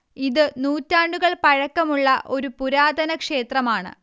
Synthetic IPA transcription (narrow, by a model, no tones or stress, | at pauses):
iðɨnuːtːaːɳɖuɣɐɭpɐɻɐkːɐmuɭːɐʔo̞ɾupuɾaːd̪ʱɐnɐkʂe̞ːt̪rɐmaːɳɨ̰